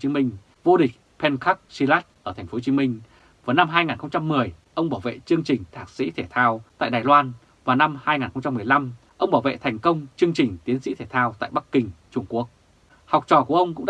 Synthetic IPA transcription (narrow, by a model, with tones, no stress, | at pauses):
i˨˦mï˧ŋ̟ | vo˧ɗï˨˩k̟̚ | pʰɛ˧nka˦˥k̚si˧la˦˥k̚ʔəː˧˩t̪ʰɛ˨˩ŋ̟fo˨˦t͡ɕi˨˦mï˧ŋ̟ | vaː˨˩na˧mɦaː˧jŋaː˨˩nxə˧wŋ͡mt͡ɕa˧mːɨ˨˩əj | ʔə˧wŋ͡mɓaː˧˩wvḛ˧˨t͡ɕɨ˧əŋt͡ɕï˨˩ŋ̟t̪ʰaː˨˩k̚sḭ˧˥t̪ʰe˧˩t̪ʰaː˧wt̪a̰ː˧˨jɗaː˨˩jlwaː˧n | vaː˨˩na˧mhaː˧jŋaː˨˩nxə˧ŋ͡mt͡ɕa˧mːɨ˨˩əjla˧m | ʔə˧wŋ͡mɓaː˧˩wvḛ˧˨t̪ʰɛ˨˩jŋ̟kə˧wŋ͡mt͡ɕɨ˧əŋt͡ɕï˨˩ŋ̟t̪i˨˦ənsḭ˧˥t̪ʰe˧˩t̪ʰaː˧wt̪a̰ː˧˨jɓa˦˥kkːï˨˩ŋ̟t͡ɕʊ˧ŋ͡mku˦˥ək̚ | ha˨˩wk͡p̚t͡ɕɔ̰˧˩ku˧˩əʔə˧wŋ͡mkʊ̰˧˥ŋ͡mɗ